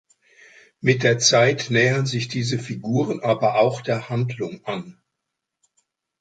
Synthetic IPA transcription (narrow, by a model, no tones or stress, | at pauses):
mɪt̚d̥eːɐt͡saɪtnɛːənzɪçd̥iːzəfiɡuːʁənʔaːbɐʔaʊxd̥eːɐhandlʊŋʔan